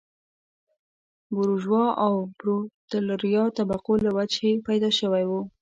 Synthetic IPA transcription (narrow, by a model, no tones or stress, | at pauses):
bʊɾuʒwɑʔawbɾot̪alaɾjɑt̪abaqolawad͡ʒepajd̪ɑʃəwajwu